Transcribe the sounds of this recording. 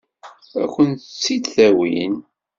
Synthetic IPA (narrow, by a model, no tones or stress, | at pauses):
æ̰kʷːənt̪t͡sːid̪θæwḭn